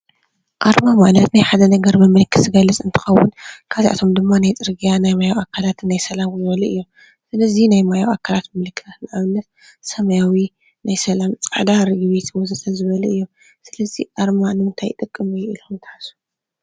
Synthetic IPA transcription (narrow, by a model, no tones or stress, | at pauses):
ʔaɾmamalɐt̪najħad̪ɐnɐɡɐɾmɨmːɨlɨkʰːɨsɨɡɐlːɨt͡sʼɨnt̪ʰɨ̥xɐwːʊnkʰaziʔa̰t̪ʰo̞md̪ɨmːanajt͡sʼɨɾɡijanajmajawʔakʰalat̪nːajsɐlamzɨβɐlɐʔɨjːo | sɨlɐzinajmajawʔakʰːalat̪mɨlɨkʰːɨ̥sʰat̪nɐʔaβlɐt | sɐmɐjawi | najsɐlamt͡sʼaʕd̪aɾɨɡɨβet̪ʰwɔzɨsʰɐzɨβɐlɐɨjːo | sɨlɐziʔaɾmanɨmɨnt̪ʰajt̪ʼɨkʼːɨmɨjʔiluxumt̪ʰɐ̥ħasu̥